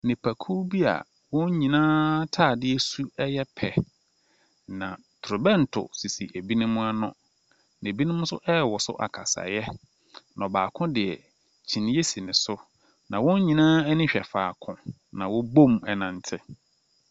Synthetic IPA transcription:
nɪ̃˨pʰæ˨kʰu˦bi˦a̰˨ | wʊ̃˦ɲ˦ɲĩ˨nãː˦tʰaː˦˨dɪ˦ɛ˦su˦ɛ˦jɛ˦pʰɛ˨ | nã˨ | tʰɾʊ˨bɛ˦˨n̩˨tʰʊ̰˨si˨si˨ʔe˨bi˦nʊ̃˦mʊ̃˦a˦nʊ̰̃˦ | ñ˨e˨bi˦nʊ̃˦mʊ̃˦sʊ̰˦ʔɛ˦˨wɔ˨sʊ̰˦ʔa̰˨kʰa̰˨sa̰˨jɛ˦ | nɔ̃˨baː˨kʰʊ̃˦dɪ˨ɛ˨ | t͡ɕʰĩ˨ñ˦je˦si˨nɪ̃˨sʊ˦ | nã˨wʊ̃˦ɲ˦ɲĩ˨nãː˦æ˦nĩ˦ɕᶣɛ˨fa̰ː˨kʰʊ̃˨ | nã˨wʊ˦bõ˦˨mɛ˨nã˨n˨tʰɪ˦

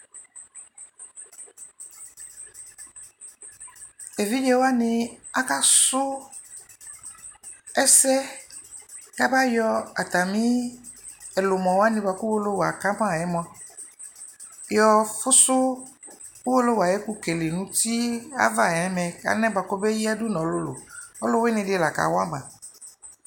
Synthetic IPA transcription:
e˨vi˦d͡ʒɛ˦wo˦a˦nɪ̃˦a˦ka˦sʊ˦ | ɛ˦sɛ˦ | ka˦ba˦jɔ˦a˨t̪a˨mĩ˦ | ɛ˨lʊ˨mɔ̃˨wa˦nɪ̃˦ba˨ku˦wo˦lo˦wa˨ka˦mã˦˨ɛ˨˦m̃˦˨a˨ | jɔ˦fʊ˦sʊ˦ | u˦wo˦lo˦wa˨jɛ˦ku˦ke˨le˨nũ˨˦ti˦a̰˦va˦˨ɛ˨ɛ˨˦mɛ̃˨ka̰˨nɛ̃˦ba˨kɔ˦be˦ji˦a˦dʊ˦nɔ̃˨˦lʊ˦lʊ̰˨ɔ˦lʊ˦we˦nɪ̃˧dɪ˦˨la˨ka̰˨wa˦ɡ͡bã˨

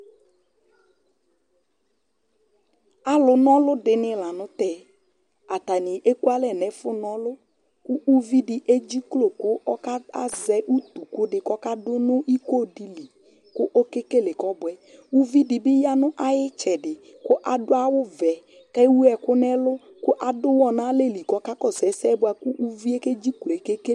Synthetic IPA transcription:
a˦lʊ˨nɔ˦lʊ˦dɪ˨nɪ˨la˨nʊ˦tɛ˦˨ | a˨ta˨nɪ˨ʔe˦ku˦a˦lɛ˨nɛ˨fʊ˦nɔ˦lʊ˦ | kʊ˦u˦vi˦dɪ˨ʔe˦d͡ʒi˦klo˨kʊ˦ɔ˦ka˦a˦zɛ˨ʔu˦t̪u˨kʊ˦dɪ˨kɔ˦ka˦dʊ˦nʊ˦ʔi˦ko˦˨di˨li˨ | kʊ˦ʔo˦ke˦ke˦lɪ˨kɔ˦bʊ˨˦ɛ˨u˦vi˦dɪ˨bɪ˦ja˦nʊ˦ʔa˦jɪ˦t͡ʃɛ˨dɪ˨ | kʊ˦ʔa˨dʊ˦a˦wʊ˦vɛ˨ | ka˦wu˦ɛ˨kʊ˦nɛ˦lʊ˦ | kʊ˦ʔa˨dʊ˦wɔ˦na˦le˦˨li˨kɔ˨˦ka˦kɔ˦˨sɛ˨˦sɛ˦bʊ˦a˨kʊ˦ʔu˦vi˦e˦ke˦d͡ʒi˦klo˨e˨ke˦ke˦

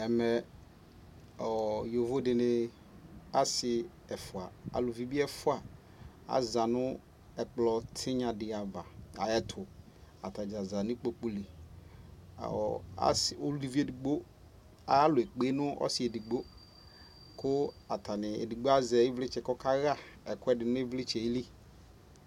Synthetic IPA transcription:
ɛ˨mɛ˨ | ɔ˨jo˨vʊ˦dɪ˨nɪ˨ | a˦sɪ˨ | ɛ˨fʊ˨a˨a̰˨lʊ˨vi˨bi˦ɛ˦fʊ˦a˨ | a̰˨za˨nʊ˦ | ɛ˨k͡plɔ˨tʰɪ˦ɲã˨dɪ˨a˨va˨a˨ɛ˦tʰʊ˨ | a̰˨ta˨d͡ʒa˨za˨nɪ̃˦k͡po˦k͡pu˦li˨ | a̰˦so˦li˨˦vi˦e˦˨di˨ɡ͡bo˦ | a˨˦lʊ˨ɛ˨k͡pe˦nʊ̃˦ɔ̰˦sɪ˨ɛ˨di˨ɡ͡bo˦ | kʊ˦ | a˨tʰa˨nɪ˨ḛ˨di˨ɡ͡bo˦a˦zɛ˨˦ɪ˦vlɪ˦t͡ʃɛ˨kɔ˦ka˦ɣa˦˨ | ɛ˨kʊ˦ɛ˦dɪ˨nʊ̃˦e˦vlɪ˦t͡ʃɛ˨i˦li˦

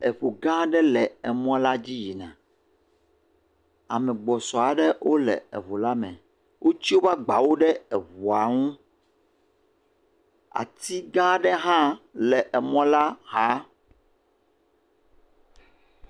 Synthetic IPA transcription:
ɛ˨ɸu˨ɡã˦ɖɛ˦lɛ˨ɛ˨mɔ̃˦la˦d͡ʑi˦ji˨nã˨ | a̰˨mɛ̃˨ɡ͡bɔ˨sɔ˨a˨ɖɛ˦wʔo˦lɛ̰˨ɛ̰˨βo˨la˦mɛ̰̃˨ | wʔo˦t͡ɕi˦wo˦va˦ɡ͡ba˨wo˦ɖɛ˦ɛ˨vu˨a˨ŋũ˦ | a̰˨t̪i˦ɡã˦ɖɛ˦ɦã˦lɛ˨ʔɛ˨mɔ̃˦la˦ɦa˦

